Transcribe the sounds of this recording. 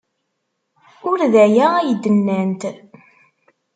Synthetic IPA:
ʊɾðæjææjəd̪ːənːænt̪

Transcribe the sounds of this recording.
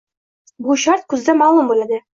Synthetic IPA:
buɕɑɾt̪̚kʉzd̪æmɑlˠumbulæd̪ɘ

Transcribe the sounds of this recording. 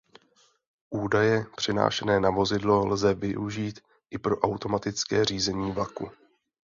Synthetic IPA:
ʔuːdajɛpr̝̥ɪna̰ːʃɛnɛːnavo̞zɪdlo̞lzɛvɪʔuʒiːt̪ | ʔɪpɾo̞ʔawt̪o̞mat̪ɪt͡skɛːr̝iːzɛɲiːvlakṵ

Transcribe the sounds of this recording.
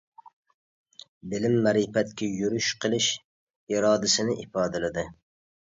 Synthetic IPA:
bɪlɪmːæɾipɛt̪kʲʰɛjuɾyʃqʰəlˠɪʃ | iɾɑːd̪ɪsɪnɪʔifɑːd̪ɨlɪd̪ɨ

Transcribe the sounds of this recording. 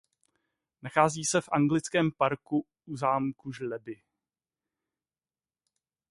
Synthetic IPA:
naxaːziːsɛfʔaŋɡlɪt͡skɛːmpaɾku | uzaːmkuʒlɛbɪ

